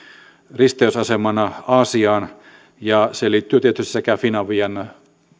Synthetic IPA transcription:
rist̪eysɑsemɑnɑɑːsiɑːn | jɑseliːt̪ːyøt̪iet̪yst̪i̥sekæfinɑʋiɑn

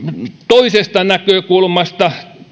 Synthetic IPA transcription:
t̪oisest̪ɑnækøːkulmɑst̪ɑ

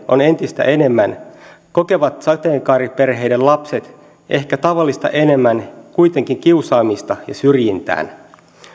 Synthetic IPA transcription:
one̞nt̪ist̪æ̰ʔe̞ne̞mːæn | ko̞ke̞ʋɑt̪sɑt̪eːŋkɑːɾipe̞rɦe̞jdellɑpse̞t̪ | ʔe̞hkæt̪ɑʋɑlːist̪ɑ̰ʔe̞ne̞mːænkuit̪e̞ŋkiŋk̟iusɑːmist̪ɑjɑ̰syrjint̪æ̰ːn

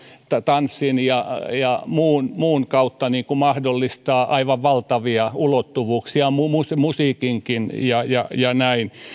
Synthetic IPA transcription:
t̪ɑt̪ɑnsːinjɑjɑmuːnmuːnkɑut̪ːɑniːkumɑhdolːist̪ɑːʔɑiʋɑʋʋɑlt̪ɑʋiɑulot̪ːuʋuːksiɑmumusmusiːkiŋkinjɑjɑjɑnæin

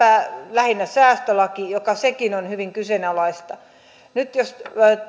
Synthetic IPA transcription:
æːlæhinːæsæːst̪ølɑkijokɑsekinonhyʋiŋkysenælɑist̪ɑ | nyt̪jos

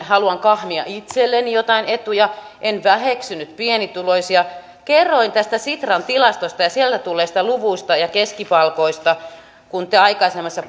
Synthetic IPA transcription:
hɑluɑŋkɑhmiɑ̰ʔit̪selːenijot̪ɑinet̪ujɑ | ʔenʋæheksynyt̪pienit̪uloisijɑ | kerːoint̪æst̪æsit̪rɑnt̪ilɑst̪ost̪ɑjɑsielt̪æt̪ulːˑeːsi̥t̪æluʋuist̪ɑjɑkeskipɑlkoist̪ɑ | kunt̪eɑikɑisemːɑsːɑ

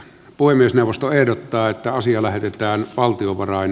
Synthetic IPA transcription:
puhemiesneˑuwʋˑost̪oehdot̪ːɑːet̪ːæɑsiɑlæhet̪et̪æːnʋɑlt̪ioʋɑrɑˑin

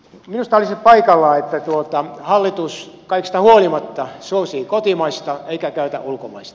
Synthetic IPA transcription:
minust̪ɑolisippɑikɑlːɑːet̪ːæt̪uot̪ɑhɑlːit̪us | kɑikst̪ɑhuolimɑt̪ːɑsuosiːkot̪imɑist̪ɑeikækæyt̪æ̰ʔulkomɑist̪ɑ̥

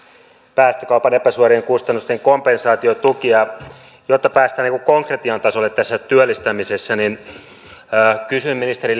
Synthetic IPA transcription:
pæːst̪økɑupɑnepæsuɑrieŋkust̪ɑnːust̪eŋkompensɑːt̪iot̪ukiɑ | jot̪ːɑpæːst̪æːniŋkukoŋkret̪iɑnt̪ɑsolːet̪t̪ːæsːæt̪yølːist̪æmisesːæninː | kysymːinist̪eɾi

